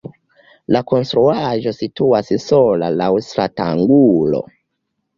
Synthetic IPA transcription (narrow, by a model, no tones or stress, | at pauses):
lako̞nstɾuaʒo̞situassola̰lawstɾata̰ŋɡulo̞̰